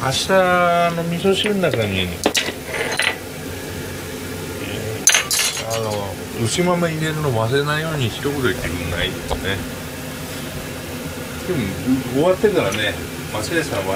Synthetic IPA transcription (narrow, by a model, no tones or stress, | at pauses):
aɕi̥t̪aːno̞mʲiso̞ɕiɾɯnːakaɲi | ḛ | ano | ɯɕimamaiɾe̞ɾɯ̟nomas̬enaijo̞ːɲ̟içi̥t̪okɯd̪oit̪ːekɯnait̪one | d̪emõoβat̪ːe̞kaɾane | masiaɕãβa